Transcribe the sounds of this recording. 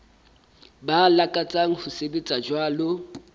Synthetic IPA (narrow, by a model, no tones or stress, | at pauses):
balakʼat͡sʼaŋ̩hʊsebet͡sʼad͡ʒwaːlo